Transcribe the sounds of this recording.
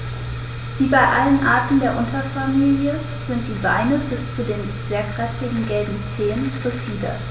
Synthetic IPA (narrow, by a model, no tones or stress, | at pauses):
viːbaɪʔalənʔaːɐtn̩deːɐʔʊntɐfamiːljə | z̥ɪnt̚d̥iːvaɪnəbɪst͡sudeːn | zeːɐkʁ̥ɛftɪɡŋ̩ɡɛlbm̩t͡seːənʁ̥əfiːdə̰